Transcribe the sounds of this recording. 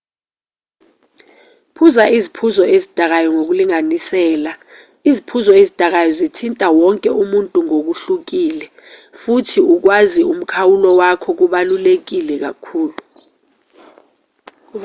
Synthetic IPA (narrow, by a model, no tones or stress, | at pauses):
pʰuzaʔizipʰuzɔezid̥ʱak̬ajɔŋok̬uliŋanisɛːla | izipʰuzɔezid̥ʱak̬ajɔzitʰintʼawɔŋkʼɛumuntʼuŋok̬uɬuk̬iːlɛ | futʰiuk̬wazium̩kʰawulɔwakʰɔk̬uɓalulek̬ilɛk̬a̰kʰuːlu